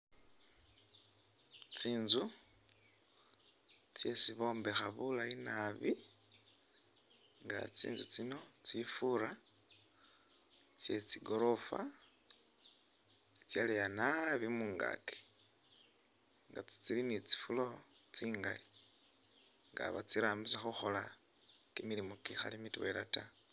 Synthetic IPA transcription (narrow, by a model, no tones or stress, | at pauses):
t͡siːnzu | t͡sje̞siβo̞ːmbe̞xaβulainaβi | ŋɡa̰t͡sḭːnzut͡sino̞t͡sifuɾa | t͡sje̞t͡siɡo̞ɾo̞fa̰ | t͡si̥t͡sjalejanaβimuːŋɡa̰ke̥ | ŋɡat͡si̥t͡silinit͡si̥fulo̞ | t͡siːŋɡa̰li | ŋɡa̰βa̰t͡siɾaːmbisaxuxo̞la | kimiɾimokixa̰limitwelata